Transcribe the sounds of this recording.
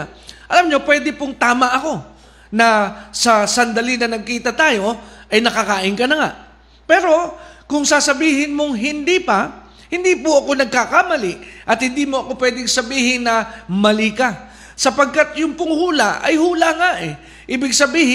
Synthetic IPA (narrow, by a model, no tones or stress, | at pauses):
ʔɐlamɲo̞pwɛːd̪ɪpʊŋt̪aːmɐʔɐko̞ | nɐsɐsɐnd̪ɐlɪnɐnɐɡ̚kiːt̪ɐt̪aːjo̞ʔɐjnɐkakaːʔɪnkɐnɐŋa̰ʔ | pɛːɾo̞kʊŋsasɐbiːhɪnmoŋɦɪnd̪ipɐ | hɪnd̪iːpoɐko̞nɐɡ̚kakamɐlɪʔʔɐt̪̚hɪnd̪iːmo̞ʔɐko̞pwɛːd̪ɪŋsɐbiːhɪnnɐmɐlika | sɐpɐɡ̚kat̪jʊŋpʊŋhuːlaɐ̰jhuːlaŋaʔɛ | ʔiːbɪɡsɐbiːhɪ